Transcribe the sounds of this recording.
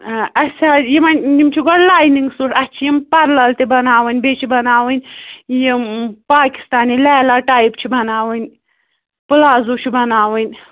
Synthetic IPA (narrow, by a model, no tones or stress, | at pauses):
ʔɐsʲaːjimɐnjimt͡ʃʰiɡoɽlaːjniŋɡsuʈɐt͡ʃʰijimpɐɾlɐlt̪ibɐnaːwɨnʲbeːt͡ʃʰibɐnaːwɨnʲjimpaːki̥st̪aːnilɛːlaːʈaːipt͡ʃʰibɐnaːwɨnʲ | pɨlaːzuːt͡ʃʰibɐnaːwɨnʲ